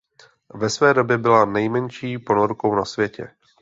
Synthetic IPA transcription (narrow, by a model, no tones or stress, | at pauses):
vɛsvɛːdo̞bjɛbɪlanɛjmɛnʃiːpo̞noɾko̞wnasvjɛcɛ̰